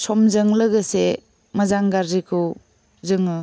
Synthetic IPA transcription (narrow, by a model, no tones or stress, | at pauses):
sɔmzɯŋlɯɡɯse | mazaŋɡaɾzikʰɯw | zɯŋɯ